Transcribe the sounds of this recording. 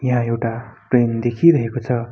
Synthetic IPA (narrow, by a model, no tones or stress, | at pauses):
jaɦãewʈaʈrend̪ekʰiɾʌɦekot͡sʰʌ